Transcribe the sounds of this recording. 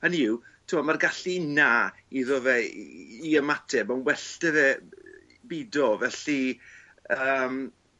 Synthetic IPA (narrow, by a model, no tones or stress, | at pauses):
aniwtʰumamarɡaɬinaː | iðɔvɛiəmatʰɛbanwɛɬtɛðɛ | bidɔvɛɬi | əːm